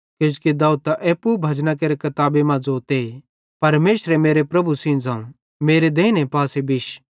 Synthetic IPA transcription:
ked͡ʒkid̪aːut̪aʔeːpubʱɐd͡ʒnak̬eːɾekɐt̪aːbemãd͡zoːt̪e | pɐɾmeːsɾemeːɾepɾɐbusĩnd͡zãːũ | meːɾed̪eːnepaːsebɪʃ

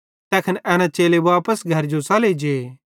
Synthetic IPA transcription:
t̪ɛːkʰənɛːnãt͡ʃeːleʋaːpəsɡʱɐɾd͡ʒosaːled͡ʒeː

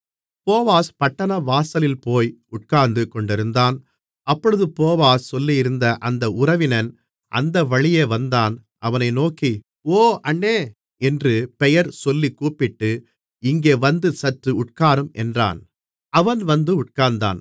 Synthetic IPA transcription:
poːʋaːspɐʈːɐnɐʋaːsɐlɪlpoːjʊʈ̚kaːnd̪ɯkɔɳɖɪɾɯnd̪aːn | ɐpːɔɻɯðɯpoːʋaːssɔlːijɪɾɯnd̪ɐʔɐnd̪ɐʊɾɐʋɪnɐn | ʔɐ̰nd̪ɐʋɐɭɪjeːʋɐnd̪aːn | ʔɐʋɐnɐɪnoːki | oːɐɳːeː | ɛndrɯpɛjɐɾsɔlːikːuːpɪʈːɯ | ɪŋɡeːʋɐnd̪ɯsɐʈːɯʊʈkaːɾɯmʔɛ̰ndra̰ːn | ɐʋɐnʋɐnd̪ɯʊʈ̚kaːnd̪a̰ːn

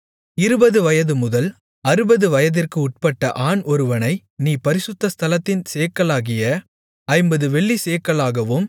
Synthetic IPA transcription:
ɪɾɯbɐðɯʋɐjɐðɯmʊðɐl | ɐɾɯbɐðɯʋɐjɐðɪrkɯʊʈ̚pɐʈːɐʔaːnɔɾɯʋɐnɐɪ | niːpɐɾɪsʊt̪ːɐst̪ʰɐlɐt̪ːɪnseːkːɐɭaːɣɪjɐ | ɐɪmbɐðɯʋɛɭːiseːkːɐɭaːɣɐʋɯm

